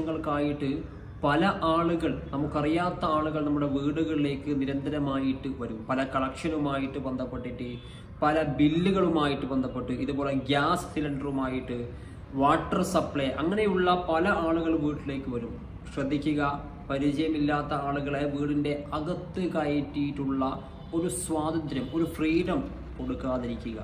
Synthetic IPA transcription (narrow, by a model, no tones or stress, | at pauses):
ɐŋːɐɭkaːjiʈːɨ | pɐlɐʔaːɭuɣɐɭnɐmːukːɐrijaːt̪ːɐaːɭuɣɐɭnɐmːuɽe̞ʋiːɽuɣɐɭile̞ːkːɨniɾɐnd̪ʱɐɾɐmaːjiʈːɨʋɐɾumpɐlɐkɐɭɐkʂɐnumaːjiʈːɨbend̪ʱɐpːeʈːiʈːɨ | pɐlɐbilːuɣɐɭumaːjiʈːɨbɐnd̪ʱɐpːeʈːɨiðubo̞ːle̞ɡaːssilɐɳɖɐrumaːjiʈːɨ | ʋaːʈːɐrsɐpɭeʔɐŋːɐne̞juɭːɐpɐlɐaːɭuɣɐɭʋiːʈːile̞ːkːɨʋɐɾum | ɕrɐd̪ʱːikʲːuɣɐ | pɐɾit͡ɕɐjɐmilːaːt̪ːɐaːɭuɣɐɭeʋiːɽinde̞ɐɡɐt̪ːɨkɐjitːijiʈːuɭːɐ | o̞ɾuswaːd̪ʱɐnd̪ɾjɐmo̞ɾufriːɾɐm | ko̞ɽukːaːðiɾikʲːuɣɐ̰